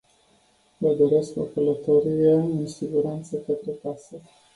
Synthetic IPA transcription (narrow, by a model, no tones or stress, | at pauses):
vəd̪oɾe̞sko̰kələt̪oɾijeɨnsiɡuɾant̪səkət̪ɾukasə